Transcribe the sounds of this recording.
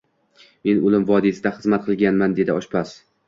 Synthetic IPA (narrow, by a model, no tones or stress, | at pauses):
me̞nʊlˠɪmvɒd̪isɪd̪aχɨzmat̪̚qʰɨlˠɡʲanmand̪e̞d̪ɪɒʃpʰas